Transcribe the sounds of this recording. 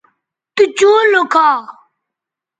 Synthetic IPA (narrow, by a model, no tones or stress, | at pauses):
t̪ut͡ɕoːlokʰaː